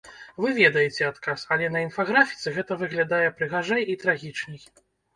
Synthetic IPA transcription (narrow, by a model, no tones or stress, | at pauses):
vɨvʲɛd̪ɐjɛt͡sʲɛat̪kasɐlʲɛnɐinfaɣɾafʲi̥t̪sɨɣɛt̪ɐvɨɣlʲad̪ajɛpɾɨɣaʐajit̪ɾaɣʲit͡ʂnʲɨj